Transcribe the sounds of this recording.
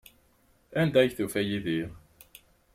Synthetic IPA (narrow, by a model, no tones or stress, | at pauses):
ænd̪æçθufæjiðiʁ